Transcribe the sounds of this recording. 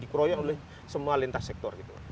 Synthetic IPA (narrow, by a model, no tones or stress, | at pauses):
dikɾɔjɔnolɛh | səmualint̪asɛk̚t̪ɔrɡit̪ṵ